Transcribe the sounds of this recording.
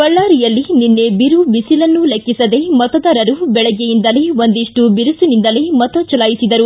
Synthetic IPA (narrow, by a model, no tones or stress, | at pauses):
kɐɭːaːɾijɐlːininːe̞biɾubisilɐnːulekːisɐd̪e̞mɐt̪ɐd̪aːɾɐɾubɛɭɐɡejind̪ɐleond̪iʂʈubiɾusunind̪ɐlemɐt̪ɐt͡ʃɐlaːjisid̪ɐɾu